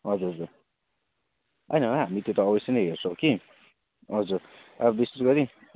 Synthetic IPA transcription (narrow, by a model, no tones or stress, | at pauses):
ɦʌd͡zuɾɦʌd͡zuɾ | ʔʌjnʌɦamit̪jot̪ʌːbʌseneɦert͡sʰʌwki | ʌd͡zuɾ | abʌbist̪ut̪ɡʌɾi